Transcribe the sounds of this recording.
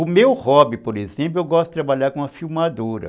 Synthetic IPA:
ʊmewhɔbipoɾezẽplʊewɡɔst̪ʊ̥t̪ɾabaʎaɾkõũɐfiwmad̪oɾɐ̰

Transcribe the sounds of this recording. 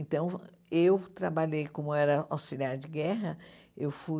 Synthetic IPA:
ẽnt̪ɐ̃w̃ | ewt̪ɾabaʎejkõmʊɛɾɐawsiliaɾɪd͡ʒɪɡɛɦɐ | ewfu

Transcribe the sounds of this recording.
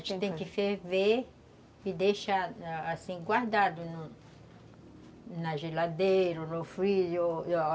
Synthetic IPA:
t͡ʃit̪ẽkɪfeve | id̪eʃaasĩɡwaɾd̪ad̪ʊn | naʒelad̪eɾonofiʎo

